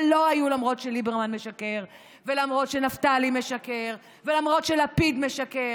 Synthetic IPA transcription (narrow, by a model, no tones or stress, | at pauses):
lo̞hajulamʁo̞tʃelibeʁmanme̞ʃake̞ʁ | ve̞lamʁo̞tʃenaftalime̞ʃake̞ʁ | velamʁo̞tʃelapid̪me̞ʃake